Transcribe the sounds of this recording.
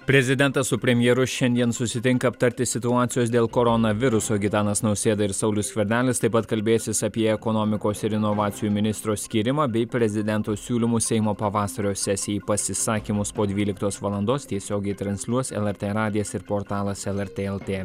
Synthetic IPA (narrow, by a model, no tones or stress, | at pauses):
pʲɾʲɛzʲɪd̪ʲɛnt̪ɐssʊpʲɾʲɛmʲjɛɾʊʃʲɛnʲd̪ʲiɛnsʊsʲɪt̪ʲɪŋkɐːpt̪ɐɾʲt̪ʲɪsʲɪt̪ʊɑːt̪sʲɪjoːs̬d̪ʲeːlˠkoɾɔnɐʋʲɪɾʊsoːɡʲɪt̪ɑːnɐsnɒʊsʲeːd̪ɐɪɾsɐʊlʲʊsʲkʲʋʲɛɾʲd̪ʲæːlʲɪst̪ɐɪpɐt̪kɐlʲbʲeːjsʲɪsɐpʲiɛɛkɔnɔːmʲɪkoːsɪɾɪnɔʋɑːt̪sʲɪjuːmʲɪnʲɪst̪ɾoːsʲkʲiːɾʲɪmɑːbʲɛɪpʲɾʲɛzʲɪd̪ʲɛnt̪oːsʲuːlʲɪmuːsʲɛɪmoːpɐʋɑːsɐɾʲoːsʲæsʲɪjɛiɪpɐsʲɪsɑːkʲimʊspoːd̪ʲʋʲiːlʲɪkt̪oːsʋɐlˠɐnd̪oːst̪ʲiɛsʲoːɡʲɛɪt̪ɾɐnʲsʲlʲuɔsɛ̰lˠɛɾʲt̪ʲeːɾɑːd̪ʲɪjɛsɪɾpoːɾt̪ɑːlˠɐsɛlˠɛɾʲt̪ʲeːɛlˠt̪ʲeː